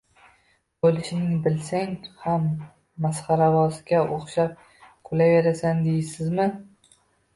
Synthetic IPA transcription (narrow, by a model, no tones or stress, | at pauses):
bolɪʃnɪŋbɪlsaŋhamː | asχaɾavɒsɪɡʲaʔoχʃap̚ | qʰʊlaveɾasand̪ejɪsɪzmɪ